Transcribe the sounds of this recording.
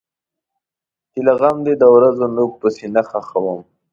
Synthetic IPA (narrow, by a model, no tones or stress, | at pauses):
t̪ilaɣamd̪ed̪əwɾazonuk̚pəsenaxaxawəm